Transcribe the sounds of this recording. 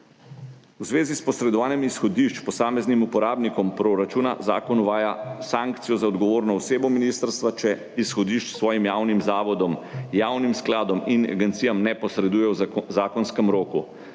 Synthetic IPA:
wzʋeːzispɔsɾɛd̪ɔʋaːnjɛmisxɔd̪iʃt͡ʃpɔsaːmɛznimupɔɾaːbnikɔmpɾoɾat͡ʃuːna̰za̰ːkɔnuʋaːjasaŋkt̪sijɔzaɔd̪ɡɔʋoːɾnɔɔseːbɔminist̪əɾst̪ʋat͡ʃɛ | isxɔd̪iʃt͡ʃsʋɔːjimjaːwnimzaːʋɔd̪ɔmjaːwnimsklaːd̪ɔmina̰ɡɛnt̪sijamnɛpɔsɾɛd̪uːjɛwzaːkɔnskɛmɾoːku

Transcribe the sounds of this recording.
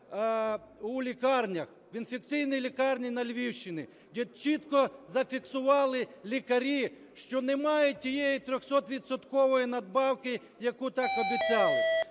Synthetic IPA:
ulʲikɑrnʲɐx | ʋinfʲek̪t͡sʲijnijlʲikɑrnʲinɐlʲʋʲiwʃt͡ʃɪnʲɪ | dʲɛt͡ʃit̪kɔzɐfʲiksʊʋɑlˠɪlʲikɐɾʲi | ʃt͡ʃɔnemɑjʊtʲːijɛjit̪ɾʲɔxsɔt̪ʋʲid̪sɔt̪kɔʋɔjinɐd̪bɑwkɪ | jɐkut̪ɑkɔd̪ɪt͡sʲɑlˠɪ

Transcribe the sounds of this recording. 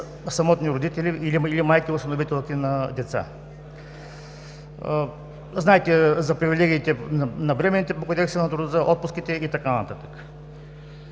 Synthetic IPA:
sɐmɔt̪nʲiɾod̪it̪ɛliiliilimajkiʊst̪ɐnovit̪ɛlˠkʲinɐd̪ɛt̪sa̰ | znaɛt̪ɛzɐpɾivilʲɛɡʲiːt̪ɛnnɐvɾɛmɛnːit̪ɛpokod̪ɛksɛnɐt̪ɾʊd̪əzaʔɔt̪̚pʊskit̪ɛit̪ɐkanɐ̰t̪at̪ə̥kə̥

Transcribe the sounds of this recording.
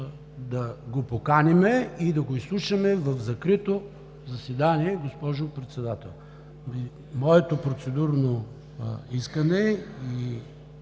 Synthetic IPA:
d̪ɐɡopokanimɛid̪ɐɡoislˠuʃɐmɛvɐfzɐkɾit̪o | zɐsvɛd̪aniɛɡospɔʒopɾɛt̪sɛd̪at̪ɛ̰lˠ | i | mɔɛt̪opɾot̪sɛd̪uɾno | iskɐnɛi

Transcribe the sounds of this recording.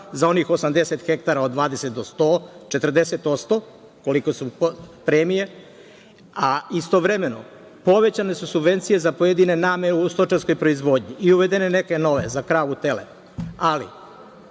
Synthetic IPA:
zao̞nixo̞samd̪e̞set̪xekt̪aɾaod̪ːʋaːd̪ese̞t̪̚d̪o̞st̪o̞ːt͡ʃe̞t̪r̩d̪e̞se̞t̪o̞t̪st̪o̞ | ko̞liko̞suppɾemije̞ | aist̪oʋɾeme̞no̞̰ | po̞ʋe̞t͡ɕane̞susubʋe̞nt̪sije̞zapo̞jed̪ine̞naːmeust̪ot͡ʃasko̞jpɾoizʋo̞d̪ɲiiuʋe̞d̪ene̞neke̞no̞ʋḛzakɾaːʋut̪e̞lḛ | alḭ

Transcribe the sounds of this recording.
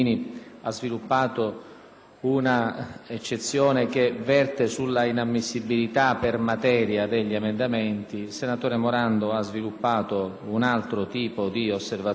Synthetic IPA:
niazvilupːaːt̪o | unaet͡ʃːet̪sːjɔːnek̟evɛrt̪esulːainamːisːibilit̪apermat̪ɛːɾjad̪eʎːiemend̪amɛnt̪ilsenat̪oːɾemoɾand̪oazvilupːaːt̪o | unalt̪ɾot̪iːpod̪iosːerva

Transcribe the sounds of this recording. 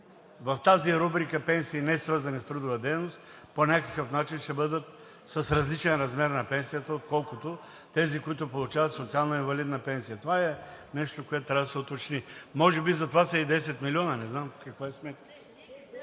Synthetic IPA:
vɐft̪aziɾubɾikəpɛnsiːnɛsvɤɾzɐnist̪ɾud̪ʊvəd̪ɛjnost̪ponʲakəkəfnat͡ʃinʃɛbɤd̪ət̪ | səsɾɐzlit͡ʃɛnɾɐzmɛɾnɐpɛnsijət̪əot̪̚kɔlˠkʊt̪o | t̪ɛzikoit̪̬ʊpolˠut͡ʃavɐt̪sot̪sialˠnɐinvɐlid̪nəpɛnsijət̪ovaɛnɛʃt̪okoɛt̪̚t̪ːɾavd̪sɛot̪ot͡ʃnimɔʒɛbizɐt̪ovasɐid̪ɛsɛt̪milʲiɔnənɛznamkɐkvaɛsmɛt̪̚kə̥

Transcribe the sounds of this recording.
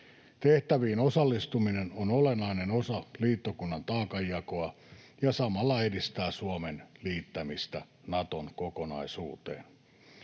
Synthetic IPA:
t̪eht̪æʋiːnosɑlːist̪uminenonolenːɑinenosɑliːt̪ːokunːɑnt̪ɑːkɑjːɑkoɑ | jɑsɑmɑlːɑedist̪æːsuomenliːt̪ːæmist̪æ | nɑt̪onkokonɑ̰isṵːt̪ḛːn

